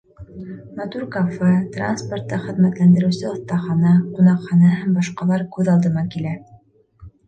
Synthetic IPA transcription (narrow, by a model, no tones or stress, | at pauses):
mɐt̪uɾkafet̪ra̰nsport̪ːɑχɘ̆ðmæt̪lænd̪ɘ̆ɾɘ̆wsɘŏθt̪ɑχɑnɑqunɑqχɑnɑhɦæmbɑʃqɑlˠɑɾkʉðɑlˠd̪ɤmɑkilæ